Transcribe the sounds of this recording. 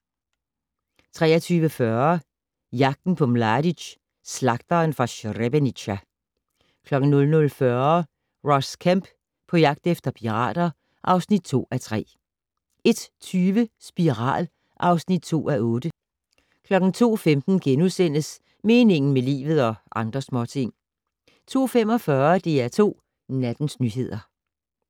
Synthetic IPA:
t͡sʰʁɛ̰ːɐt͡sʰyːʋəfɶɐ | jɑ̈ɡ̥̚d̥n̩pʰɒ̽mlɑdiɕ | slɑ̈ɡ̥d̥ɐnfʁɑ̈ɕʁeb̥eniɕæ | kʰlɒ̽ɡ̥n̩nɔ̽lnɔlfɶɐ | ʁɒ̽skʰæm̰b̥ | pʰɒ̽jɑ̈ɡ̥d̥efd̥ɐpʰiʁɑ̰̈ːd̥ɐ | ʔɑ̈ʊsnid̥̚t͡sʰo̝̰ːæt͡sʰʁɛ̰ː | e̝d̥t͡sʰyːʋəsb̥iʁɑ̰̈ːl | ʔɑ̈ʊsnid̥̚t͡sʰo̝̰ːæʔɔ̽ːd̥ə | kʰlɒ̽ɡ̥n̩t͡sʰo̝̰ːfemd̥n̩ɡ̥enuðˠsen̰əs | me̝ːne̝ŋn̩melḭːʋð̞̩ˠɒ̽ʔɑ̈nd̥ʁɐsmɒːt͡sʰe̝ŋ̰ | t͡sʰo̝̰ːfem̰ɒ̽fɶːɐd̥e̝æt͡sʰo̝̰ː | næd̥n̩snyɦe̝ð̞̰ˠɐ

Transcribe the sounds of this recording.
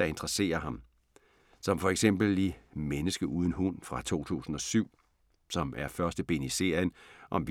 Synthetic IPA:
ɑ̈e̝nd̥ʁɐse̝̰ːɐɦɑ̈m | sɒ̽mfɒ̽eɡ̥sem̰b̥l̩ːimenəsɡ̥əʔuːð̞ˠən̩ɦunfʁɑ̈t͡sʰo̝̰ːt͡sʰṵːsn̩ɒ̽syʊ̰ | sɒ̽mæɐfɶɐsd̥əb̥e̝̰ːnise̝̰ːɐənʔɒ̽mʋ

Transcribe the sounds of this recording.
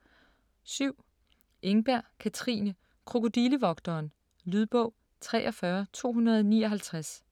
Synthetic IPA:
syʊ̰ | ʔeŋb̥æɐ̰kʰæt͡sʰʁḭːnə | kʰʁo̝ko̝d̥iləʋɒ̽ɡ̥̚d̥ɒːn | lyðˠb̥ɔ̽ʊ̰ | t͡sʰʁɛ̰ːʔɒ̽fɶːɐt͡sʰo̝̰ːɦunɐðˠɒniːɒ̽ɦælt͡sʰʁas

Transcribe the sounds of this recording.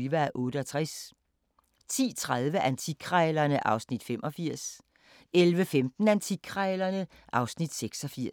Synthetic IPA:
ʋææʔɔ̽ːɾəɒt͡sʰʁas | t͡sʰḭːt͡sʰʁaðˠʋəʔænt͡sʰiɡʰʁɛːlɐnəʔɑ̈ʊsnid̥fem̰ʔɒ̽fiɐ̰s | elʋəfemd̥n̩ænt͡sʰikʰʁɛlɐnə | ʔɑ̈ʊsnid̥seɡ̥sɒ̽fiɐ̰

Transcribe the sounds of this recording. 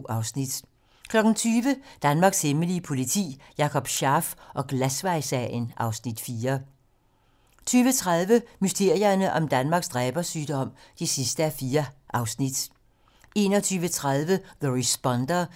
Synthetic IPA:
ɑʊsnid̥ | kʰlɒ̽ɡ̥n̩t͡sʰyːʋəd̥ænmɑ̈ɡ̥sheməliəpʰo̝lit͡sʰḭːjɑ̈kʰɒ̽b̥ɕɑ̈ːfʔɒ̽ɡ̥læsʋɑ̈ɪsɛənʔɑ̈ʊsnid̥fiːɐ | t͡sʰyːʋət͡sʰʁaðˠʋəmysd̥e̝ɐ̰jɐnəʔɒ̽md̥ænmɑ̈ːɡ̥sd̥ʁɛːb̥ɐsyːd̥ɒ̽m̰d̥esisd̥əæfiːɐʔɑ̈ʊsnid̥ | e̝ːnɒt͡sʰyːʋət͡sʰʁaðˠʋəðəʁisb̥ɒ̽nd̥ɐ

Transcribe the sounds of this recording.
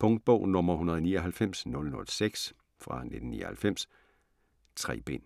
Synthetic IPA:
pʰɔ̽ŋd̥̚b̥ɔʊ̰nɔ̽mɐhunɐð̞̩ˠɒniːɐɦælfem̰snɔ̽lnɔ̽lseɡ̥s | fʁɑ̈ned̥n̩nḭːɐhælfem̰s | t͡sʰʁɛ̰ːb̥e̝̰n

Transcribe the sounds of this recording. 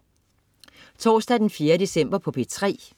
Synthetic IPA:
t͡sʰɒ̰ːsd̥æd̥enfje̝ːɐd̥e̝sem̰b̥ɐpʰɒ̽pʰe̝t͡sʰʁɛ̰ː

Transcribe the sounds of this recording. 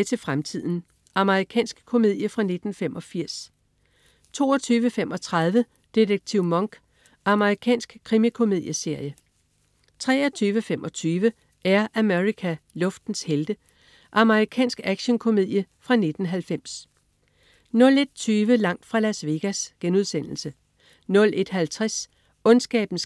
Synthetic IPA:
t͡sʰe̝lfʁamt͡sʰið̰ˠn̩ | ʔɑməʁikʰɛ̰ːnsɡ̥kʰo̝me̝ð̞̰ˠjəfʁɑ̈ne̝d̥n̩femʔɒ̽fiɐ̰s | t͡sʰo̝̰ːɒt͡sʰyːʋəfemʔɒ̽t͡sʰʁað̞ˠʋə | d̥e̝d̥eɡ̥̚t͡sʰiʊ̰mɒŋɡ̥ | ʔɑ̈məʁikʰɛ̰ːnsɡ̥kʰʁimikʰo̝me̝ð̞̰ˠjəse̝ɐ̰jə | t͡sʰʁɛ̰ːɐt͡sʰyːʋəfem̰ʔɒ̽t͡sʰyːʋə | ʔæɐʔæmeʁikʰælɔ̽fd̥n̩sheld̥ə | ʔɑ̈məʁikʰɛ̰ːnsɡ̥æɡ̥ɕənkʰo̝me̝ð̰ˠjəfʁɑ̈ne̝d̥n̩ɦælfem̰s | nɔ̽le̝d̥̚t͡sʰyːʋəlɑ̈ŋ̰d̥fʁɑ̈læsʋe̝ɡ̥æsɡ̥enuð̞ˠsen̰l̩sə | nɔ̽lʔe̝d̥ɦælt͡sʰʁɛs | ɔ̽nsɡ̥ɛ̰ːb̥n̩s

